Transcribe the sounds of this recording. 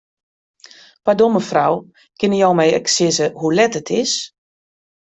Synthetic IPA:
padoməfraw | kɪnəjɔwmɛjəksɪzəhulɛtətʰɪs

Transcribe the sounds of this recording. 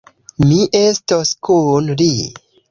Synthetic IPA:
miʔestoskunli

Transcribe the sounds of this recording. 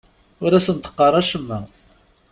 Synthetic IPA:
ʊɾæsənt̪ə̥qːɑrˤæʃəmːæ

